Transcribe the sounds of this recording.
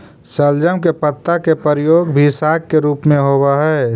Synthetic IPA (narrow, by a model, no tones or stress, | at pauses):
səld͡ʒəmkepət̪ːakepəɾjoːɡbʱisaːk̚keɾuːpmẽɦoːwaɦɛː